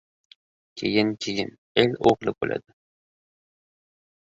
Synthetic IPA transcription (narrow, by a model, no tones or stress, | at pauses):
kʲʰḛjɪnkʲʰejɪn | elʲoʁlˠɪbo̰lʔa̰d̪ɪ